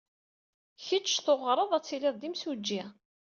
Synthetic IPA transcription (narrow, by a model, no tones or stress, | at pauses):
çət͡ʃːθoʁɾˤəðˤæt͡sːilɪðˤd̪imsud͡ʒːi